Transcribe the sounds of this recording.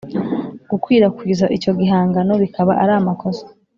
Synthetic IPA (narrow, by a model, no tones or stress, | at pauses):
ɡ̥ukwiːɾakwiːzaʔico̞ɡiɦaːŋɡano̞βikʰaβaʔaɾaːmakʰo̞sḁ